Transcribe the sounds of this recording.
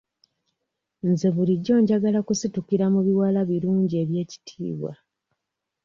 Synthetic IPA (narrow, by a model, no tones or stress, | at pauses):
nze̞βuliɟːo̞ːɲɟaɡalakusitukiɾamuβiwalaβiluːɲɟie̞βje̞ːci̥tʰḭːβwa̰